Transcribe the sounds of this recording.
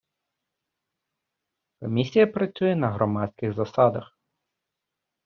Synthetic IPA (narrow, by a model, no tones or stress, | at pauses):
kɔmʲisʲijɐpɾɐt͡sʲujɛnɐɦɾɔmɑt̪ʲsʲkʲɪxzɐsɑd̪ɐx